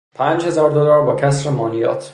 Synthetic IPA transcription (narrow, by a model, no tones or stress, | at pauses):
pʰæːnd͡ʒhe̞zɒːɾd̪olɒːɾbɒːcʰæsɾemɒːnijɒ̰ːt̪ʰ